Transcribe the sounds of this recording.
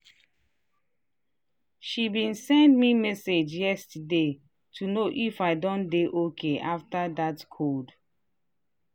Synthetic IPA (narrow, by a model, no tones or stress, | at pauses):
ʃibĩnsɛ̃ndmimɛsed͡ʒjɛstde | tʰunoʔifaɪdɔ̃ndeʔokʰeʔaftadatkʰod